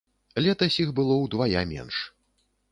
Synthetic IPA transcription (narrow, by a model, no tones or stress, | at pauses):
lʲɛt̪ɐsʲixbɨlˠɔwd̪vaja̰mʲɛ̰nʂ